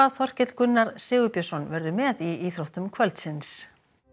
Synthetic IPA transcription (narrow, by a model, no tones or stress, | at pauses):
aðθɔr̥cɪt̪l̥kʏnːaɾsɪːɣʏpjasɔnvɛɾðʏmɛːðiiːθɾowht̪ʏmkʰvœlt̪sɪns